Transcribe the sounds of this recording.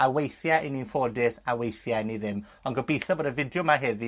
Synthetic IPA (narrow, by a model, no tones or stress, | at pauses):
awejθjaʔɪninfodɪsawejθjaɪniðɪm | ɔnɡɔbejθɔboːdəvɪdjɔmaɦɛði